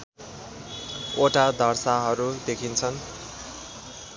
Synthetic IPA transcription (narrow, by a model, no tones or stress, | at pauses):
oʈad̪ʱʌrsaɦʌɾud̪ekʰint͡sʰʌn